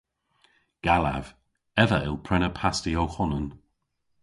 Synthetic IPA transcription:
ɡ̥ala̰v | ɛvəɪlˠpʰɾɛnəpʰastiowxʊnən

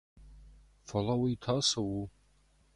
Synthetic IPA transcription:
falawaitʰasawu

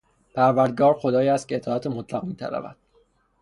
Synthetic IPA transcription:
pʰæɾvæɾd̪̚ɡɒːɾxo̞d̪ɒːjiæst̪̚cʰʲeet̪ʰɒːæt̪ʰemot̪ʰlæɣmiːt̪ʰæ̰ɾæ̰væ̰d̪̥

